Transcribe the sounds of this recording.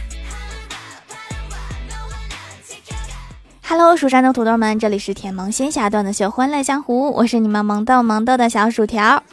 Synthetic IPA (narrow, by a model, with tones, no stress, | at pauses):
xa˧˩lo˧˥ʊʂu˨˩ʂa˥nʈ͡ʂ̪ʊ˥ŋt̪ʰu˧˥t̪wo˥˩mə˦nʈ͡ʂɤ˥˩li˨˩ʂɻ̩˥˩t̪ʰjɛ˧˥nmɤ˧˥ŋɕi˥nɕja˥˧˩t̪wa˥˩nd̪ə˩ɕo˥˩ʊxwə˥nlə˥˩t͡ɕjɑ˥ŋxu˧˥wʔɔ̰˨˩ʂɻ̩˥˩ni˨˩mə˦nmɤ˧˥ŋt̪o˥˩ʊmɤ˧˥ŋt̪ɤ˥˩ʊd̪ə˩ɕɑ˧˥ʊʂu˨˩t̪ʰjɑ˧˥ʊ